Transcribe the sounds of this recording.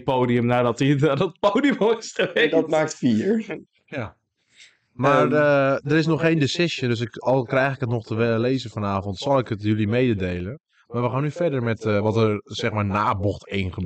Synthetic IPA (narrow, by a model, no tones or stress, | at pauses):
poːdiəmnaːdɔtinaːdɔt̚poːdioɪsχəʋɛdɔtmaːk̚tfiəɹ | ja | marədərɪs̬nɔxːeːndesɪʃjəndøs̬ɪkɔlˠkrɛjxɪkətnɔχtʰəʋɛləleːzəfɔnaːvɔntsɔlˠɪkətjølimeːdədeːlˠən | marʋəxaːnːyfɛɹdərmɛtʋɔtərsɛxmaɹnaːbɔxteːnχəb